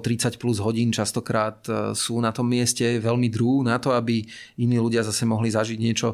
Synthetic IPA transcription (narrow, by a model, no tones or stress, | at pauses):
t̪ɾit͡sacpluzɦɔɟiːnt͡ʃast̪ɔkɾaːt̪suːnat̪ɔmːɪɛscɛʋɛlmid̪ɾunat̪ɔabi | iniːluɟɪazasɛmɔɦlizaʒiɟɲɪɛt͡ʃɔ